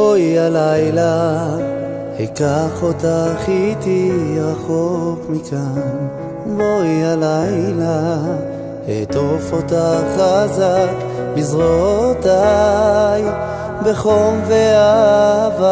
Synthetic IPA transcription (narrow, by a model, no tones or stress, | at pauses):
oialajla | hekaχo̞t̪aχit̪iʁaχokmikʰan | boialajla | hḛt̪ofot̪aχazak | bizʁot̪a | j | beχomveava